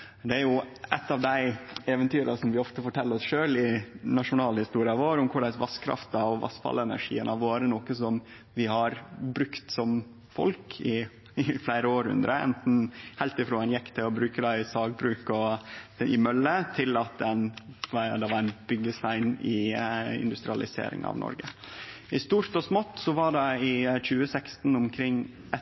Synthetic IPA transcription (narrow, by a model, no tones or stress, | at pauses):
d̪ɛæɾjʊɛt̪ːɑʋd̪æɪɛʋənt̪ʰyːɾɑsɔmʋɪɔft̪əfɔʈʰɛlːəɾɔsʂøːlɪnɑʂʊnɑːlhɪst̪uːɾɪɑʋoːɾʊmkʰʊɭæɪsʋɑskʰɾɑ̰ft̪ɑɔʋʋɑ̰sfɑ̰lɛnæ̰ʂḭːənɑʋoːɾənɔkəsɔm | ʋɪɦɑɾbɾʉkt̪sɔm | fɔ̰lkʰɪ | ɪflæɪɾəoːɾhʉ̰nd̪ɾəɛ̰nt̪n̩hæɪlt̪ɪfɾoːɛnjɛkːt̪ʰɪɔbɾʉːkəd̪æɪsɑːɡ̚bɾʉːkɔ | ɪmœlːət̪ʰɪlɑt̪̚d̪ɛnʋɑɾd̪ɛʋɑɾæɪnbʏɡːəst̪æɪnɪɪ̰nd̪ʉst̪ɾɪɑlɪsḛːɾɪ̰ŋɑ̰ʋnɔ̰ɾɡə | ɪst̪uːɾt̪ɔsmɔt̪ːsɔʋɑɖɛɪc͡çʉːəsɛkst̪n̩ʊmkʰɾɪŋː | ʔɛ